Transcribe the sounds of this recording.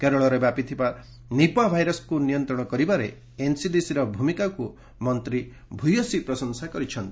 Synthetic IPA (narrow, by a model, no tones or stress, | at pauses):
keɾɔɭɔɾebjapit̪ʰiba | nipabʱajɾɔskunijɔnt̪ɾɔɽ̃ɔkɔɾibaɾe | ensid̪isiɾɔbʱumikaku | mɔnt̪ɾi | bʱujɔsipɾɔsɔŋsakɔɾit͡ʃʰɔnt̪i̥